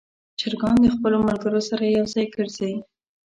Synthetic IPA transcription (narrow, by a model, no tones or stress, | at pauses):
t͡ʃaɾɡɑnd̪əxpəlomalɡəɾosaɾajawzɑjɡəɾzawi